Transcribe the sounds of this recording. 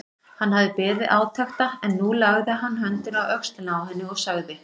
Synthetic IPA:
hanhavðɪpɛːɾðɪʔaːwt̪ʰaxt̪aɛnːulaɣðɪɦanːɦœnt̪ɪnawœkst̪ɪnaawhɛnːɪɔɣsaɣðɪ

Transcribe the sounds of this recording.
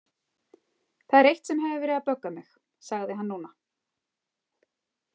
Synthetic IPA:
θaðɛɾejht̪sɛmɦɛvɪvɛːɾɪðapœkːamɪx | saɣðɪɦanːuːna

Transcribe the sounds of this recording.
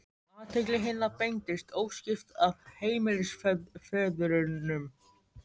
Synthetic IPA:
at̪ʰɛklɪɦɪnːapejŋt̪ɪst̪ʰoːwscɪft̪avheːjmɪlɪsffɛːðʏɾʏnːʏm

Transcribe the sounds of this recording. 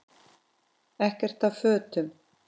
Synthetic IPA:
ɛhcɛr̥t̪awfœːt̪ʏm

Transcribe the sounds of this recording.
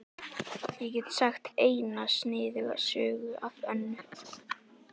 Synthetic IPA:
jɛcɛt̪saxt̪eːjnasnɪːðɪɣa̰sœːɣʏavœnːʏ

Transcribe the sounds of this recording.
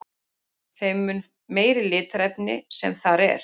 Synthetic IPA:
θejmːʏn | meːjɾɪlɪːt̪ɾɛpnɪsɛmθaɾɛ̰ɾ̥

